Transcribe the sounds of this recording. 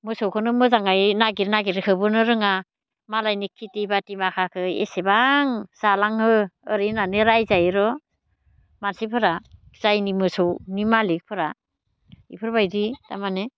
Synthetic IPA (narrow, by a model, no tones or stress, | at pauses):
mɯsowkʰɯnɯmɯzaŋajnaɡiɾnaɡiɾkʰɯbɯnɯɾɯŋa | malajnikʰːitibatimakʰakʰɯḛsebaŋsalaŋhɯəɾinaneɾajzajɾɔ | mansipʰɯɾaz̥ajnimɯsɔwnimalik̚pʰɯɾa | ḭpʰɯɾbajɾita̰mane